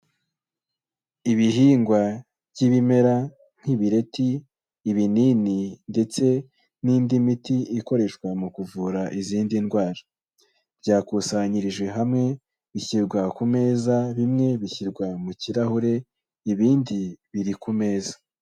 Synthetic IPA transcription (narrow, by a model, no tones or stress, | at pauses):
iβiɦiːŋɡwa | βɟiβime̞ɾa | n̥hiβiɾe̞tiː | βiniːninde̞t͡se̞ | niːndimitiiko̞ɾe̞ʃkwamukuvuːɾaʔiziːndinɡwaːɾa | bɟaːkusaɲiɾiʒwe̞ɦamŋe̞ | βiçiɾɡwakume̞ːzaβimŋe̞βiçiɾɡwamuciɾahuɾe̞ | iβiːndiβiɾikume̞ːzḁ